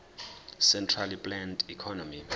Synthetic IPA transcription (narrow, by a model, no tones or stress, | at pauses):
sɛntʰralipʼlɛndikʰɔnɔmi